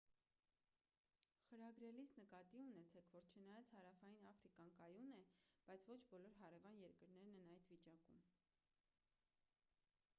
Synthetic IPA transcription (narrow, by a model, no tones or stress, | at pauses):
χəɾɑɡɾɛlisnəkɑt̪iunɛt͡sʰɛkʰvɔɾt͡ʃʰənɑjɑt͡shɑɾɑfɑjinɑfɾikɑnkɑjunɛb̥ɑjt͡sʰvɔt͡ʃʰbɔlɔɾɦɑɾɛvɑnjɛɾkəɾnɛɾnɛnɑjd̪vit͡ʃɑkum